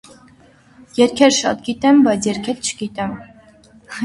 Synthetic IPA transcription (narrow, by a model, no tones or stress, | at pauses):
jɛɾkʰɛɾʃɑ̰t̪̚ɡit̪ɛmbɑjt͡sʰjɛɾkʰɛɾt͡ʃʰə̥ɡit̪ɛm